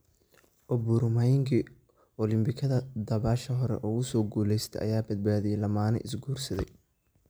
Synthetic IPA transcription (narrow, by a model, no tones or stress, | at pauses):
ʔɔbʊɾmajɪŋkʰi | ɔlɪmbɪkʰɐðɐd̪ɐβaːʃɐɦɔɾɛ̰ʔɔːɣʊsɔːɡuːlɛjst̪ʰɛ̰ʔɐ̰jaːbɐd̪̚baːðɪjɛlɐmaːnɐ̰ʔɪsɡuːrsɐðɛj